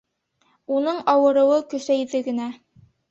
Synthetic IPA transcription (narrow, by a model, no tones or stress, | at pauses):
unɤɴɑwɤ̆ɾɤ̆wɤkɵ̆sæjðɘɡɘ̆næ